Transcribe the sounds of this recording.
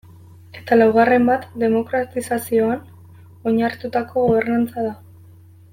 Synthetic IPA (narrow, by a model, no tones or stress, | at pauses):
e̞̥t̪alawɣare̞mbat̪d̪e̞mo̞kɾat̪isasio̞an | o̞ɲaɾt̪ut̪ako̞ɣo̞β̞e̞ɾnant͡saða